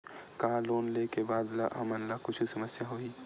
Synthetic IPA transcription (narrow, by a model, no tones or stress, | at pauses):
kaɦaloːnleːkebaːd̪la̰ɦɐmɐnlakʊt͡ʃʰisɐməsjaɦoːiː